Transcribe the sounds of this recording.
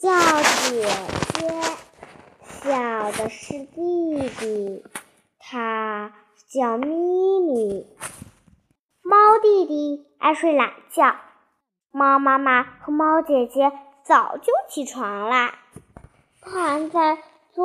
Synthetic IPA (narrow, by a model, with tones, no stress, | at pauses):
t͡ɕjɑ˥˩ʊt͡ɕjɛ˨˩t͡ɕjɛ˥ | ɕjɑ˥˨˩ʊd̪ə˩ʂɻ̩˥˧t̪i˥˩˥t̪i˨˩ | t̪ʰa˥ | t͡ɕjɑ˥˩ʊmi˥ni˨˩˦ | mɑ˥ʊt̪i˥˧t̪i˨˩ | a̰˥˧ɪʂwe˥˩ɪla̰˨˩ŋt͡ɕjɑ˥˩ʊ | mɑ˥ʊma˥ma˨xɤ˧˥mɑ˥ʊt͡ɕjɛ˨˩t͡ɕjɛ˥ | t͡sɑ˨˩ʊt͡ɕjo˥˩ʊt͡ɕʰi˧˥˩ʈ͡ʂʰwɑ˧˥ŋlə˧ | t̪ʰa˥˧˥nt͡sa˥˩ɪ | t͡s